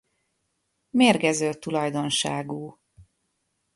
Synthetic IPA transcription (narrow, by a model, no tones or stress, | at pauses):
meːrɡɛzøːt̪ulɒjd̪o̞nʃaːɡuː